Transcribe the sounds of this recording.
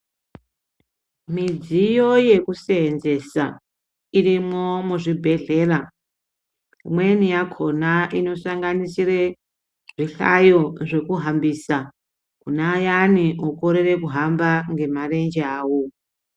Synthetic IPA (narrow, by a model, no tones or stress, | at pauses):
mid͡zijoje̞kuseːnze̞sa | irimomuʐibʱe̞ɮe̞ːra | mwe̞nijakʰo̞naʔino̞saŋɡanisire | ʐ̥iɬa̰jo̞ʐe̞kuɦambiːsa | kunajaniokoɾere̞kuɦambaŋɡe̞mare̞nd͡ʒeaːwo̞